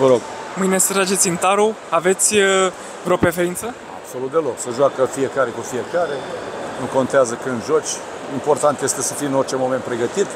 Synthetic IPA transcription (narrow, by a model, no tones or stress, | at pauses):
vəɾo̞ɡ | mɨjnest̪ɾad͡ʒet̪sʲɨnt̪aɾu | ave̞t̪sʲ | vɾo̞pɾe̞feɾint̪sə | a̰b̥so̞lut̪̚d̪e̞lo̞ksəʒuakəfie̞kaɾe̞kufie̞kaɾe̞nuko̞nt̪eazəkɨnd̪ʒot͡ʃʲ | import̪ant̪je̞st̪e̞səfijɨnort͡ʃemo̞ment̪̚pɾe̞ɡət̪it̪